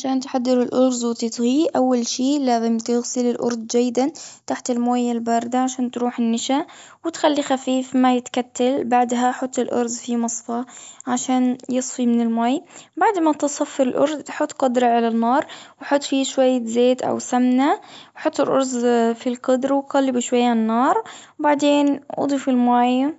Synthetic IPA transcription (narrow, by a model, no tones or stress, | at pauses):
ʕaʃaːnt̪ħad̪ːɪɾɪlʔʊɾˤzwɪt̪ɪt̪ɣiʔawːalʃiːlaːzɪmt̪ɪɣsɪlɪlʔʊ̰ɾˤd̪d͡ʒajːɪd̪ant̪aħt̪ɪlmoːjalbɑɾˤd̪aʕaʃaːnt̪ɾuːħɪnːɪʃa | wɪt̪xalːixafiːfmajɪt̪kat̪ːalbaʕd̪ɦaħʊt̪ˤːɪlʔʊ̰ɾˤzfimɑsˤfɑʕaʃaːnjɨsˤfimɪnɪlmaːjbaʕd̪mat̪ɪsˤɑfːɪɾɪlʔʊ̰ɾˤd̪ħʊt̪ˤːqʊd̪ɾˤɑʕalanːɑːɾˤwħʊt̪ˤːfiʃwajːzeːt̪ʔa̰wsamnawħʊt̪ˤːɪlʔʊɾzfilqɑd̪ɾwqɑlːɪbuʃwajːanːɑːɾˤbaʕd̪eːnʔɑ̰d̪ˤifɪlmaːj